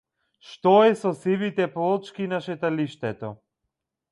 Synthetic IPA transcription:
ʃt̪ɔɛsɔsivit̪ɛplˠɔt͡ʃkinaʃɛt̪aliʃt̪ɛt̪ɔ

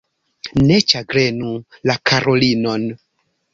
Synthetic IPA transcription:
ne̞t͡ʃaɡɾe̞nulakʰaɾʔo̞lino̞n

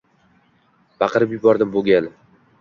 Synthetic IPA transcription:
bɑqɨɾɪpjʊbɒɾd̪ɪmboɡʲan

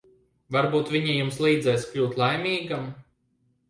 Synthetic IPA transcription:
vaɾbuːt̪vʲiɲijumslˠiːd̪zɛjsklʲuːt̪lˠajmʲiːɡam

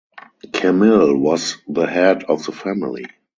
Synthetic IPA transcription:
kʰɛmɪlwɔzðəhɛdɔfðəfæmɪlḭ

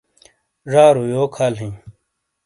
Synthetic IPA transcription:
ʐaːɾujoːkʰaːlɦĩ

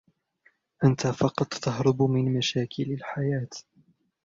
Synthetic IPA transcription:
ʔant̪afɑqɑt̪ˤːɑɦɾˤʊbmɪnmaʃaːkʰɪlalħajaːt̪

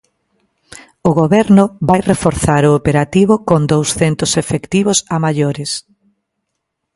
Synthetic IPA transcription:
ʊɣoβɛɾnʊβajrefoɾθaɾʊːpeɾat̪iβʊkond̪owsθent̪ʊsefekt̪iβʊsamaʎoɾɪs

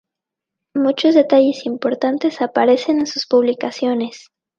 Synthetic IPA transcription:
mut͡ʃo̞zðe̞t̪aʝe̞simpo̞ɾt̪ant̪e̞sapaɾe̞se̞ne̞nsuspuβ̞likasjo̞ne̞s

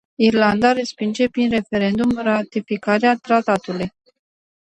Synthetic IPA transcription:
irland̪aɾespind͡ʒe̞pɾinɾe̞fe̞ɾe̞nd̪umrat̪ifikaɾeat̪ɾat̪at̪uluj

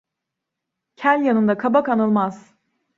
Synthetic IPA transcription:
cʰælʲjanɯnd̪akʰabakanɯlˠmaz̥

